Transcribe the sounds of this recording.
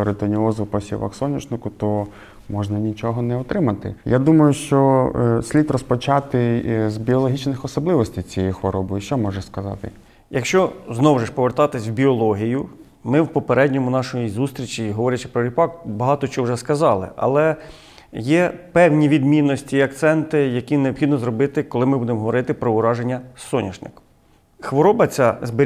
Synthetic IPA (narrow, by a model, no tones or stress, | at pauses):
ɔɾet̪ɔnʲiɔzʊpɐsʲḭʋɐ̰ksɔnʲit͡ʃnɪkʊt̪ɔ | mɔʒnɐnʲit͡ʃɔɦɔnɛɔt̪ɾɪmɐt̪ɪ̰jad̪umɐjʊʃt͡ʃɔsʲlʲit̪rɔspɔt͡ʃat̪ɪzbʲiɔlˠɔɦʲit͡ʃnɪxɔsɔblˠɪʋɔsʲtʲɪjt͡sʲijɛjxʋɔɾɔbɔjʃt͡ʃɔmɔʒɛskɐzɑ̰t̪ɪ | jɐkʃt͡ʃɔznɔwʒeʃpɔʋert̪ɑt̪ɪsʲwbʲiɔlˠɔɦʲijʊ | mɪwpɔpeɾɛdʲnʲɔmʊnɑʃɔjizust̪ɾʲit͡ʃiɦɔʋɔɾʲɐt͡ʃɪpɾɔɾʲipɑkbɐɦɑt̪ɔt͡ʃɔwʒɛskɐzɑlˠɪ̰ʔɐ̰lˠɛ | jɛpɛwnʲiʋʲid̪mʲinːɔsʲtʲiɐkt̪sɛnt̪ɪjɐkʲineɔpxid̪nɔzɾrɔbɪt̪ɪkɔlˠɪmɪbud̪emɔɦɔʋɔɾɪt̪ɪpɾɔʊɾɑʒenʲːɐsɔnʲɐʒnɪ̰k | xʋɔɾɔbɐt͡sʲazbɪ